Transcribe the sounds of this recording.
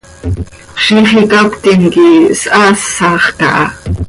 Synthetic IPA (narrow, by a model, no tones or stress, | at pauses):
ʃiχikakt̪iŋkisʔasɑχkɑ̰ʔɑ